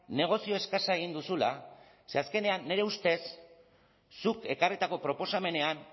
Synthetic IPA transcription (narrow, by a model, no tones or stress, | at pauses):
ne̞ɣ̞o̞sio̞eskasae̞ɣ̞ind̪usula̰ | se̞aske̞ne̞anːe̞ɾe̞ust̪e̞sː | uke̞karit̪ako̞pɾo̞po̞same̞ne̞an